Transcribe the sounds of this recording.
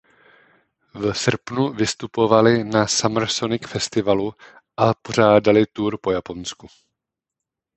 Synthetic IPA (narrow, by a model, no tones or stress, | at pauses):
vɛsr̩pnuvɪst̪upo̞valɪnasamr̩ɾ̩so̞nɪkfɛst̪ɪvalu | ʔapoɾ̝aːdalɪt̪uːɾpo̞japo̞nsku